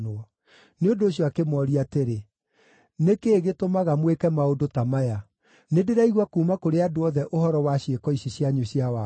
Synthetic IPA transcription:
noɔ | neodoːɕjɔakemɔɾiateɾe | nekeːɣetomaɣamwekɛmaodotamaja | nedeɾaiɣwakuːmakoɾeadoɔðɛʔohɔɾɔwaɕjekɔiɕeɕjaɲoɕiawa

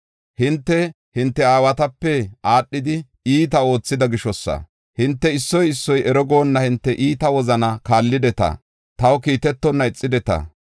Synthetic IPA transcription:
hɪnt̪ːɛ | hɪnt̪ːɛaːwɐt̪ɐpːɛaːɗːɪd̪ɪ | iːt̪ɐo̞ːt͡sːɪd̪ɐɡɪʃɔsːɐ̰ | hɪnt̪ːɛɪsːɔjɪsːɔjɛɾɔɡo̞ːnːɐhɪnt̪ːɛʔiːt̪ɐwɔzɐnɐkaːlːɪd̪ɛt̪ɐ̰ | t̪ɐwkiːt̪ɛt̪ːɔnːɐɪt͡sʼːɪd̪ɛt̪ɐ̰

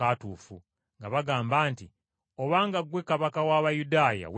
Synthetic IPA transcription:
atuːfu | ŋɡaβaɡaːmbaːnti | o̞βaːŋɡaɡwekaβakawaːβajudaːja̰w

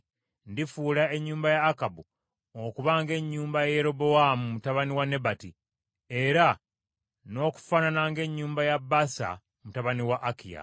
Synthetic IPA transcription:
ndifuːlae̞ɲːuːmbajaːkabu | okuβaŋɡe̞ɲːuːmbajeɾo̞boamumutaβaniwane̞bati | e̞ɾa | no̞ːku̥fananaŋɡe̞ɲːuːmbajabːasa̰ | mutaβaniwaʔːkḭja̰

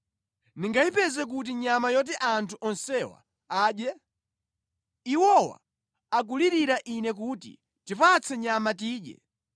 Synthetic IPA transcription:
niŋɡaipɛzɛk̬ut̬iɲamajɔt̬iʔantʰuʔɔnsɛwa̰ | aːɗjɛ | iwɔwa̰ | ak̬uliɾiɾaʔinɛk̬utḭ | tipat͡sʰɛɲamatiːɗɛ̰

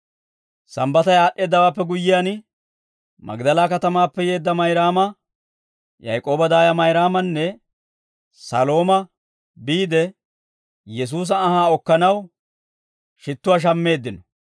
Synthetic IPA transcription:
sɐmbɐt̪ɐjaːɗʔe̞ːd̪ːɐwaːpːɛɡʊjːɪjaːn | mɐ̰ɡd̪ɐlaːkɐt̪ɐmaːpːɛje̞ːd̪ːɐmɐjɾaːmɐ | jɐ̰jkʼo̞ːbɐd̪aːjɐmɐjɾaːmɐnːɛ | sɐ̰lo̞ːmɐ | biːd̪ɛ | jɛs̬uːs̬ɐːhaːɔkːɐnɐw | ʃɪt̪ːʊwaːʃ̬ɐmːe̞ːd̪ːɪnɔ̥

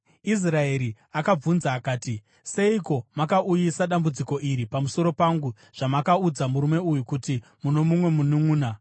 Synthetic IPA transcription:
is̬rae̞ɾi | akab͡vunzaːkaːti | se̞iko̞makaʔujisaɗambud͡ziko̞ʔiɾipamuso̞ɾo̞paŋɡu | ʐ̥amakaud͡zamuɾume̞ujukuti | muno̞mumwe̞munumuːna

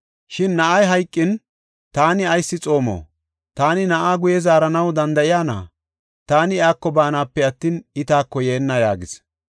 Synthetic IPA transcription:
ʃɪnːɐʔɐjɦɐjkʼːɪn | t̪aːnɪɐjsːɪt͡sʼo̞ːmo̰ː | t̪aːnɪnɐʔaːɡʊjɛzaːɾɐnɐwd̪ɐnd̪ɐʔɪjaːna̰ː | t̪aːnɪɪaːkːɔbaːnaːpːɛɐt̪ːiːnɪt̪aːkːɔjeːnːɐjaːɡɪs

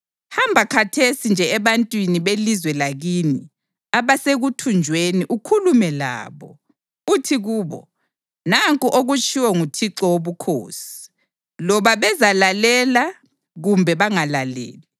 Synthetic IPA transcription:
hambʱakʰatʰesind͡ʒʱɛɛβantʼwiniβelizwɛlaɣini | aβaseɣutʰund͡ʒʱweniʔukʰulumɛla̰ːβɔ | utʰiɣuːβɔ̰ | naŋkʼuʔoɣut͡ʃʼʰiwɔŋutʰiǁɔwoβukʰo̰ːsi̥ | lɔβaβɛzalalɛla | ɣumbʱɛβaŋalalḛːli

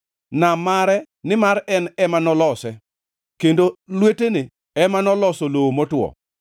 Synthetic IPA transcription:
namaɾɛ | nɪmaɾɛnɛmanɔlɔsɛ | kendolwetenɪ | ɛmanɔlɔsolomotwɔ̰

